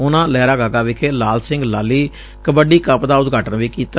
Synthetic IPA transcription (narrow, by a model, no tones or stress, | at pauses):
ʊnãːlɛːɾaːɡaːɡaːʋɪkʰeːlaːlsɪ̃ŋɡlaːliː | kəbəɖiːkəpd̪aːʊt̪ɡʱaːʈənʋiːkiːt̪a